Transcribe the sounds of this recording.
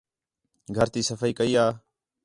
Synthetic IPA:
ɡʱəɾt̪iːsəfəiːkəiːaː

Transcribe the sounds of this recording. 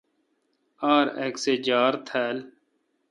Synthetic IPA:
aːɾḛkseːd͡ʒaːɾt̪ʰɛːl

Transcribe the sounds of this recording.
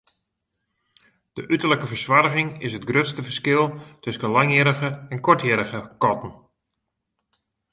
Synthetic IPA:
d̥əʔytərləkəvəɹswarəɣɪŋɪsɦətɡrøtstəvəskɪlˠtøskəlaŋjɪːɾəɣəɛnkɔɹtjəːɾəɣəkɔtən̩

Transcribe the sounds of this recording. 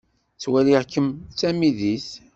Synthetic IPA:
t͡swæliʁkːəmt͡sːæmiðiθ

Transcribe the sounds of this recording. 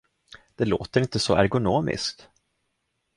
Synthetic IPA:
d̪̥ɛloːt̪əɾɪnt̪əsɔæɾɡʊnoːmɪ̰skt̪

